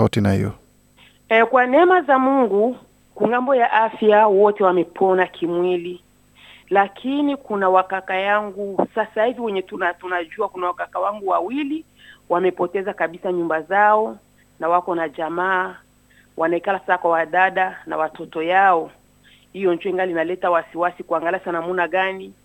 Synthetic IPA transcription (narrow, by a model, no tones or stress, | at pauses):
autinahḭjɔ̰ | ɛkwanɛmazamuŋɡu | kuŋɡambɔjaʔafjawɔtɛwamɛpʰɔnakʰimwili | lakʰinikunawakakajaŋɡusasahiviwɛɲɛtunatunaʄuakunawakakawaŋɡuwawili | wamɛpɔtɛzakaɓisaɲumbazaɔ | nawakɔnaʄamaː | wʔanaikalasasakwawaɗaɗana̰watɔtɔjaɔ | hijɔɲd͡ʒuɔiŋɡalinalɛtawasiwasikuaŋɡaliasanamunaɠani